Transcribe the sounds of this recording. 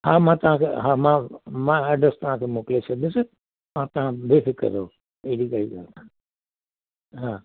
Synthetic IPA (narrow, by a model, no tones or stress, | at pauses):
ɦaːmãːt̪ɐʋ̤ãkʰeɦãːmãːmãːɐɖɾəst̪ɐʋ̤ãkʰeːmoːkleʃəɗ̪ɪsɪ | mãːt̪ɐʋ̤ãbefɪkə̰ɾoː | eɦɽiɡaiɡa̰ːlk̪ʰã | ɦãː